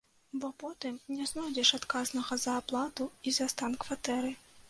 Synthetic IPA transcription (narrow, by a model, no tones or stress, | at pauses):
bɔpɔt̪ɨmnʲɛznɔdʲɛʂat̪kaznɐɣɐzɐːplˠat̪uizast̪ankvat̪ɛɾɨ